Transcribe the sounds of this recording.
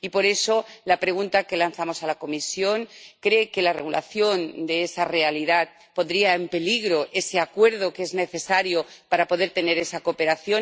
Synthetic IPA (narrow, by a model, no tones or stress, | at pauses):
ipo̞ɾe̞so̞lapɾe̞ɣ̞unt̪ake̞lanθamo̞salako̞misjo̞ŋkɾe̞ke̞lareɣ̞ula̰θjo̞nd̪eesare̞aliðat̪̚ | po̞nd̪ɾiae̞mpe̞liɣɾo̞ʔe̞se̞akwe̞ɾð̞o̞keezne̞θe̞saɾjo̞paɾapo̞ð̞eɾt̪e̞ne̞ɾe̞sako̞pe̞ɾaθjo̞